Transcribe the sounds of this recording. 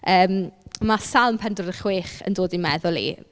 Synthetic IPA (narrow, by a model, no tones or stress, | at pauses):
əːmmasalˠmpʰɛndʊɾəχweːχə̰ndoːdimɛðʊlˠḭ